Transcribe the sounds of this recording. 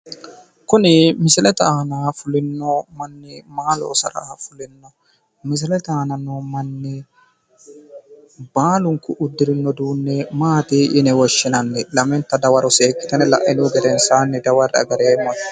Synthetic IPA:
kʊnɪmɪsɪlɛt̪aːnaːfʊlɪnːɔmɐnːɪmaːlo̰ːsɐ̰ɾa̰ːfʊlɪnːɐ | mɪs̬ɪlɛt̪aːnɐnomɐnːɪ | baːlʊŋkʊʔʊd̪ːɪɾɪnːɔd̪uːnːɛmaːt̪iːʔɪnɛwɔʃːɪnɐnːɛlɐmɛnt̪ɐd̪ɐwɐɾɔseːkːɪ̥t̪ɐnɛlɐ̰ʔɪnuːɡɛɾɛnsaːnːɛd̪ɐwɐɾɐ̰ɡɐɾeːmːɐ

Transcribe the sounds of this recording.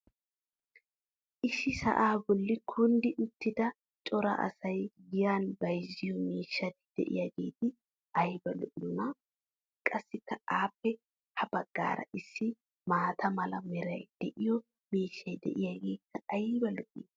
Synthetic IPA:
ʔɪʃːɪsɐ̰ʔaːbɔlːɪkʰʊnd̪ɪʔʊt̪ːɪd̪ɐ | t͡ʃʼɔɾɐ̰ʔɐ̰sɐjɡɪjaːnbɐjzːɪjɔmiːʃːɐt̪ɪ̥d̪̥ɛ̰ʔɪ̰jɐɡe̞ːt̪ɪ | ʔɐjbɐlɔʔɪnɔnɐ | kʼɐsːɪkːɐaːpːɛ | hɐbɐɡ̥ːa̰ːɾɐ̰ʔɪsːɪ | maːt̪ʰɐmɐlɐmɛɾɐjd̪̥ɛʔɪjɔ | miːʃːɐjd̪ɛ̰ʔɪjaɡeːkʰːɐɐjbɐlɔʔiː

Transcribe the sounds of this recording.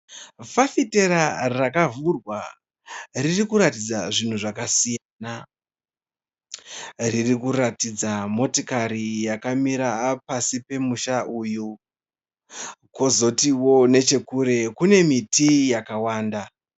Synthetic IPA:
fafite̞ɾarakavurwa | ririkuɾatid͡zaʐin̤uʐakasijana | ririkuɾatid͡zamo̞tokaɾijakamiɾapasipe̞muʃaʔuju | kozo̞tiwo̞ne̞t͡ʃe̞kuɾe̞kune̞mitijakawaːnda

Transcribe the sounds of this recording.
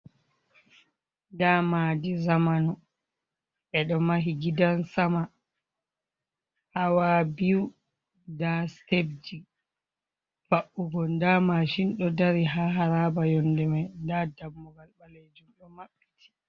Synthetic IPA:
damadizamanɔ | ʔɛɗɔmaɦiɡidansama | hawabiwu | dastebd͡ʒi | b̥aʔuɡɔndamaʃinɗɔdaɾiɦaɦaɾabajɔndɛmajndadamːuɡalɓaled͡ʒumɗɔmaɓːitʰi̥

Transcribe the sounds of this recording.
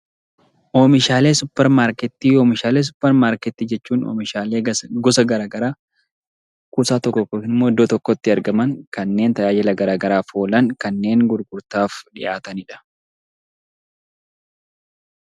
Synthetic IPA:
ʔoːmɪʃaːle̞ːsʊpːɛɾmaːɾkɛt̪ːiːjoːmɪʃaːleːs̬ʊ̥pːɛɾmaːɾkɛt̪ːiːd͡ʒɛt͡ʃːuːno̰mɪʃaːleːɡɔsɐɡɐɾaːɡɐɾaː | kuːsaːt̪ɔkːɔkoɪnɪmːoːd̪ːoːt̪ɔkːɔt̪ːɪɐɾɡɐmɐŋkɐnːe̞ːnt̪ɐjaːd͡ʒɛlɐɡɐɾaːɡɐɾaːfoːlɐŋkɐnːe̞ːŋɡʊɾɡʊɾt̪aːfᶑɪʔaːt̪ɐnɪᶑɐ̥

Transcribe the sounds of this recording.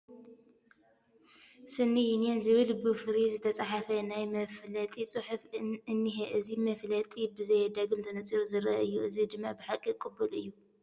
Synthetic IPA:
sɨnːijinjenzɨβɨlbɨfɾizɨt̪ʰɐt͡sʼaħafɐnajmɐflɐt̪ʼisʼɨħufɨnːiɦeʔɨzimɐflɐt̪ʼibɨzɐjɛd̪ɐɡɨmt̪ʰɐnɐt͡sʼiɾuzɨɾɐɨjːuʔɨzid̪ɨmːabɨħakʼːikʼɨbɨlɨjːu

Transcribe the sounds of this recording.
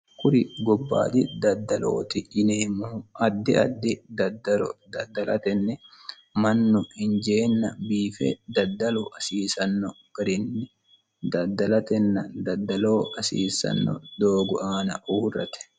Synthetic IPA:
kʊɾɪɡɔbːa̰ːd̪ɪd̪ɐd̪ːɐlo̰ːt̪ɪɪneːmuːʔɐd̪ːɪɐ̰d̪ːɪd̪ɐd̪ɐld̪ɐd̪ːɐlʔɐ̰t̪ɛnːɛ | mɐnːʊhɪnd͡ʒeːnːɐbiːfɛ̰d̪ɐd̪ːɐlʊʔɐsiːsɐnːɔɡ̥ɐɾɪnːɛ | d̪ɐd̪ːɐlɐt̪ɛnːɐd̪ɐd̪ːɐlo̞ːʔɐsḭːsɐ̰nːɔ̰d̪o̞ːɡɔʔaːnɐ̰ʔuːrːɐ̰t̪ɛ̥

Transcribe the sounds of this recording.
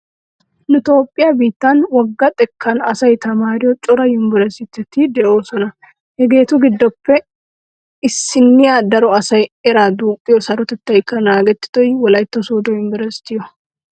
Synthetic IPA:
nʊɪt̪o̞ːpʼːɪjɐbiːt̪ːɐnwɔɡːɐt̪ʼɛkʰːɐnɐsɐjt̪ɐmaːɾɪjɔt͡ʃʼɔɾɐjɪmbɪɾɛsɪt̪ːɛt̪ːɪd̪ɛʔo̞ːsɔnɐ | hɛɡe̞ːt̪ʊɡɪd̪ːɔpːɛ | ɪsːɪnːɪjad̪ɐɾɔɐsɐjɛɾad̪uːpʼːɪjɔsɐɾɔt̪ɛt̪ːɐjkːɐnaːɡɛt̪ːɪ̥t̪ɔjwɔlɐjt̪ːɔsuːd̪ɔjɪmbɪɾɐsɪ̥t̪ːɪjɔ

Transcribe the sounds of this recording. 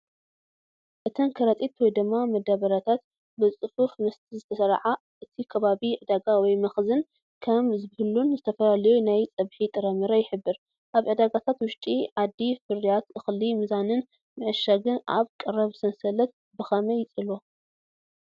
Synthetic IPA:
ʔɨt̪ʰɐnkʰɐɾɐt̪ʼit̪wɔjd̪ɨmːamɐd̪aβɐɾat̪ʰat̪ | bɨt͡sʼɨfufnɨst̪ʰizɨt̪ʰɐsɐɾʕa | ʔɨt̪ʰikʰɐβaβiʕɨd̪aɡawɔjmɐxzɨn | kʰɐmzɨbhɨlunzɨt̪ʰɐfɐlalɐjunajt͡sʼɐβħit̪ʼɨɾɐmɨɾɐjɪħɨbːɨɾ | ʔaβʕɨd̪aɡat̪ʰat̪wʊʃt̪ʼiʕad̪ːifɨɾjat̪ʔɨxlimɨzanɨn | mɨʕɨʃaɡɨnʔa̰βkʼɨɾɐβsɐnsɐlɐt̪̚ | bɨxɐmɐjɪt͡sʼɨlo

